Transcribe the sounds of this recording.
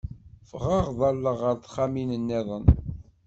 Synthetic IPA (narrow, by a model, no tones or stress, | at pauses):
fʁɑʁðˤɑlːəʁəɾθχaminənːiðˤən